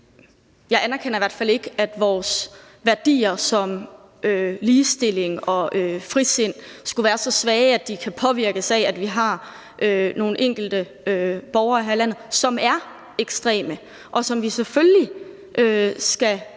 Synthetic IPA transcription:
jɑ̈ɪænæɐkʰen̰ɐiʋæɐ̰d̥fæle̝ɡ̥əæd̥ʋɒːs | ʋæɐd̥ḭːɐsɒ̽m | ʔøliːsd̥e̝le̝ŋɒ̽øfʁise̝n̰sɡ̥uʋæːɐsɒ̽sʋɛːæd̥ikʰæpʰɒ̽ʋiɐɡ̥əsææd̥ʋiɦɑ̈ | ʔøno̝ːn̩ʔeŋ̰ɡ̥l̩d̥ə | øb̥ɒʊɐihælæn̰ð̩ˠsɒ̽mæɐ | eɡ̥sd̥ʁɛ̰ːmə | ʔɒ̽sɒ̽mʋiseføli | ʔøsɡ̥æ

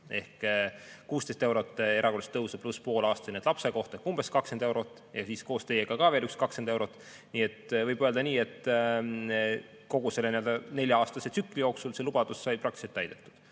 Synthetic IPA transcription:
e̞hkkːuːst̪e̞jst̪ewɾot̪ːˑe̞ɾʔɑkolst̪ːɤwsɑpluspo̞ːlɑːst̪ɑjned̪lɑpse̞ko̞ht̪ehkumb̥e̞skɑkse̞nd̪e̞wɾo̞t̪ːˑjɑsiːsko̞ːst̪e̞jeɡ̥ɑkɑveːlykskɑkse̞nd̪e̞wɾo̞t̪ːˑ | niːe̞t̪ːvɤjb̥øld̪ɑniːe̞t̪ː | ko̞ɡ̥use̞lːenield̪ɑne̞lʲjɑɑːst̪ɑsesykːˑlijo̞ːksulse̞lub̥ɑd̪̥usːɑjprɑk̚t̪iselt̪ːæjd̪̥e̞t̪ːˑu̥d̪̥

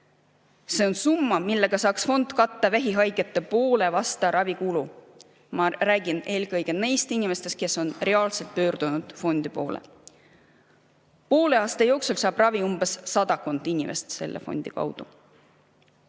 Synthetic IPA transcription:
se̞o̞nsumːɑmilːe̞ɡ̥ɑsɑːksfo̞nd̪̥kɑt̪ːɑvæɦiɦɑjɡet̪ːˑe̞po̞ːle̞vɑst̪ɑɾʔɑvikulu | mɑræːɡ̥ine̞ːlkɤ̞jɡ̥e̞ne̞jst̪inʲime̞st̪e̞st̪ke̞sːo̞nre̞ɑːlselt̪̚pøːrd̪̥unud̪̥fo̞nd̪̥ipo̞̰ːlḛ | po̞ːle̞ɑːst̪ejo̞wksulsɑːb̥rɑviumb̥esːɑd̪̥ɑko̞nd̪̥inʲimʔe̞̰st̪se̞̰lːʔḛfo̞̰nʲd̪̥ikɑ̰wd̪̥u

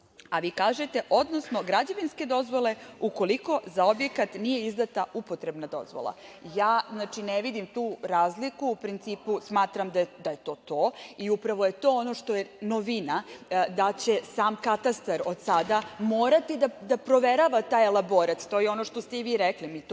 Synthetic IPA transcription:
aʋiːkaːʒet̪e̞ʔod̪nosno̞ɡɾad͡ʑaʋinske̞d̪o̞zʋo̞le̞uko̞liko̞zao̞bje̞kat̪nije̞izd̪at̪aupot̪ɾe̞bnad̪o̞̰zʋo̰lˠa̰jaːznaːt͡ʃineʋid̪imt̪uːɾaːzlikuupɾint̪siːpusmaːt̪ɾamd̪ad̪aje̞t̪o̞ːt̪oːiupɾaʋo̞je̞t̪o̞ːono̞ʂt̪o̞jeno̞ʋinad̪at͡ɕe̞saːmkat̪ast̪aɾod̪sad̪amoːɾat̪id̪ad̪apɾo̞ʋeɾaʋat̪aːjelˠabo̞ɾat̪t̪oːjeo̞no̞ʃt̪o̞st̪eiʋiːɾɛklimit̪

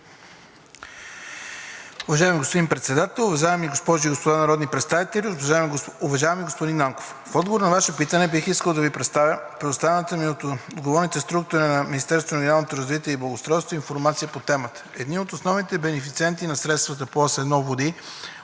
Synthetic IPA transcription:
ʊvɐʒaɛmiɡospod̪impɾɛt̪sɛd̪at̪ɛlˠʊvɐʒavɛmiɡospɔʒiːɡospod̪anɐɾɔd̪nipɾɛt̪st̪avit̪ɛlʲivaɛmuvɐʒavɛmiɡospod̪inaŋko̥f | fɔd̪ɡovoɾənɐvaʃɛpit̪ənɛbixiskəlˠd̪ɐvipɾɛt̪apɾɛd̪ʊst̪avɛnət̪əmiot̪od̪ɡovɔɾnit̪ɛst̪ɾukt̪ʊɾinɐminist̪ɛɾst̪vonɡʲnalˠnot̪oɾɐzvit̪iɛiblˠɐɡost̪ɾɔjst̪voinfoɾmat̪sijəpot̪ɛmət̪ə̥ɛd̪niot̪osnɔvnit̪ɛbɛnɛfit̪siɛnt̪inɐsɾɛt̪st̪vət̪əpoasɛd̪nɔvod̪i

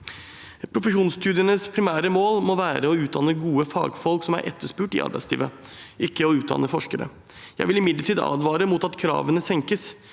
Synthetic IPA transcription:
pʰɾʊfəʂuːnst̪ʰʉːd̪ɪənəspʰɾɪmæːɾəmoːlmɔʋæːɾəɔʉːt̪̚d̪ɑnːəɡuːəfɑ̰ːɡfɔlksɔmæ̰ɾʔɛ̰t̪ʰːəʂpʉːʈɪ̰ʔɑ̰ɾbæɪslḭːʋəɪkːəɔʉːt̪̚d̪ɑ̰nːəfɔʂkəɾə̰ | jæɪʋɪlɪmɪd̪ləʈʰiːd̪ɑ̰ːd̪ʋɑːɾəmut̪ɑt̪kʰɾɑ̰ːʋənəsɛŋkəs

